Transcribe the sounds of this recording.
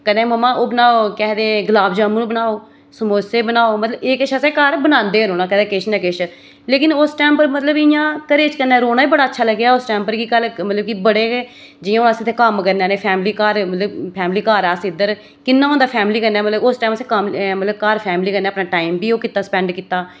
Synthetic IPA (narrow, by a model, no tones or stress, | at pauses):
kəd̪ẽːməmːãːʔoːbənaːoːkɛːd̪eːɡlaːbd͡ʒaːmũːnũːbənaːoː | səmoːseːbənaːoːmət̪ləbeːkɪʃəsẽːkaːɾbənãːnd̪eːɾoːnaːkəd̪ẽːkɪʃnɛ̃ːkɪʃ | leːkɪnʊsʈɛːmpəɾmət̪ləbɪjãːkəɾeːt͡ʃkənɛːɾoːnaːbiːbəɽaːətːʃʰaːləɡjaːʊsʈɛːmpəɾkiːkəlmət̪ləb̚kiːbəɽeː | d͡ʒɪjãːnaːsɪt̪ʰːeːkəmkəɾnaːneːpʰɛːmliːkaːɾmət̪ləbpʰɛːmliːkaːɾasɪd̪əɾ | kɪnːaːõnd̪aːpʰɛːmliːkəɾnɛːmət̪ləbʊsʈaːməsekəmmət̪ləb̚kaːɾpʰɛːmliːkəɾneːəpnaːʈaːimbiːoːkɪt̪ːaːsə̥pɛ̃ːɳɖkiːt̪ːaː